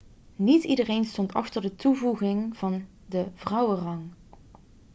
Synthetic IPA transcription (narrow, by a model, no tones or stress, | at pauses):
nitidərejnstɔntɑ̰χtərdətuvuɣɪŋv̥ɑn | dəv̥rʌwərɑŋ